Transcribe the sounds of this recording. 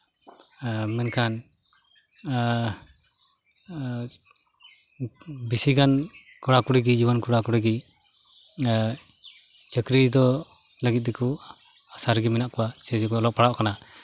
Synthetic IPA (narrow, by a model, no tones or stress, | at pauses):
mɛnkʰan | bisiɡan | kɔɽakuɽɛɡid͡ʒibɔnkuɽakuɽɛɡi | t͡ʃəkɾid̪ɔ | ləɡit̪̚d̪ɛkʰu | asaɾɡiminaʔkɔwat͡ʃɛd͡ʒukɔɔlɔʔ̚paɽaʔkana